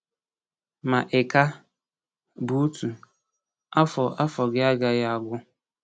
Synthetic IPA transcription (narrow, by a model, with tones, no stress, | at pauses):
ma˨ʔɪ˨ka˦ | bu˦tʰu˨ | a˦fɔ˨ʔa˦fɔ˨ɡɪ˦a˦ɡa˨ja˦a˦˨ɡʊ˦